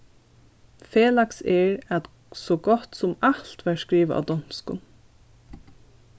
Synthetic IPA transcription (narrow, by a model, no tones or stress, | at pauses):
feːlaksɛɹæt̪ | sɔɡɔt̪sʊmalt̪ʋæɹskɹiːʋa̰a̰d̪ɔn̥skʊ̰n